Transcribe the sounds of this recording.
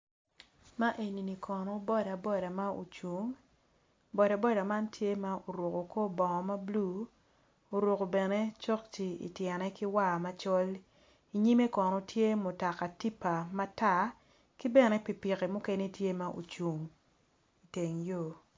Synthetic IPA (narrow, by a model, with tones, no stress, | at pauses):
ma˦ʔe˨ni˨ni˨kʰɔ˨nɔ˦bɔ˦da˨bɔ˦da˨ma˦o̰˨t͡ʃu˨ŋ | bɔ˨da˨bɔ˦da˨ma˦ntje˦ma˦ʔo˨ɾo˨ko˨ko˦bɔ˨ŋɔ˨ma˦blu˦ | o˨ɾo˨ko˨bɛ˨ne˦t͡ʃɔ˦k̚t͡ʃi˨ḭ˨tjɛ˨nɛ˦ki˦wa˦˨ma˦t͡ʃɔ˦l | i˨ɲi˦me˦kɔ˨nɔ˨tʰje˦mʊ˨ta˨ka˨ti˦pa˨ma˦ta˦˨ | ki˦bɛ˨ne˨pi˨pi˨ke˨mo˦ke˦ne˦tje˦ma˦ʔo̰˨t͡ʃu˨ŋ | i˨te˨ŋjo˦˨